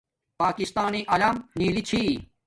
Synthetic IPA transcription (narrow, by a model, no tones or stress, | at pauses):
paːkist̪aːniʔɐlamniːlit͡ɕʰiː